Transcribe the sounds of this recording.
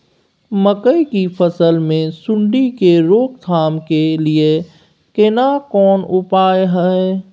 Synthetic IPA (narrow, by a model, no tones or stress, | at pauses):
məkəikipʰəsəlmẽsʊ̃ɳɖikeɾoːk̚t̪ʰaːmkelie | kenakɔːnʊpaːjɦɛe